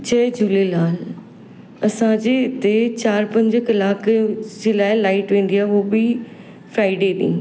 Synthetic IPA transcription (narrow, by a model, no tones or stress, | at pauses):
t͡ɕʰɐːd͡ʑulelaːl | ɐsãd͡ʑeːd̪eːt͡ɕaːɾpɐ̃ɲd͡ʑkɐlaːkd͡ʑeːlaːɪlaːɪʈʋẽːn̆d̪ijaːɦoːbɪ | fɾaːɪɖeːɗ̪ḭ̃